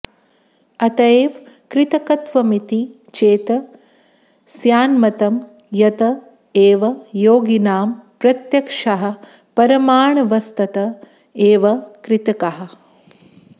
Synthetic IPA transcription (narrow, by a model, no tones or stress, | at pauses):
ɐt̪ɐeːʋ | kɾɪt̪ɐkɐt̪ʋɐmit̪i | t͡ʃeːt̪ɐ | sjaːnmɐt̪ɐm | jɐt̪ɐ | eːʋɐjoːɡinaːmpɾɐt̪jɐkʂɐɦɐ̆ | pɐɾɐmaːɳɐʋɐst̪ɐt̪ɐ | eːʋɐkɾɪt̪ɐkɐɦɐ̆